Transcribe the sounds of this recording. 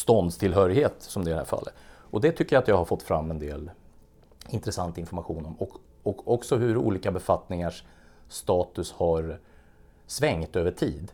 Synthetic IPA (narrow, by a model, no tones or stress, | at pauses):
st̪ɔnd̪st̪ʰɪlɦœːɾɪɡheːt̪sɔmd̪ɛɪd̪ɛhæ̰ɾfa̰lːə̰t̪ɔd̪ɛt̪ʰʏkːəjat̪jɑːɡhaɾfɔt̪ːfɾa̰mːɛnd̪ḛːl | ɪnt̪ɾɛsant̪aɪnfɔɾmaɧuːnɔmɔk | ɔkɔksɔɦɵɾṵːliːkabɛfat̪nɪŋaʂː | t̪ɑːt̪ɵshaɾ | svɛŋt̪øːvəʈʰiːd̪